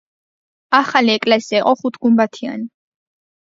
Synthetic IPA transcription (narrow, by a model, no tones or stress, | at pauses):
aχaliɛkʼlɛsiiqʼɔχut̪ʰɡ̥umbat̪ʰia̰ni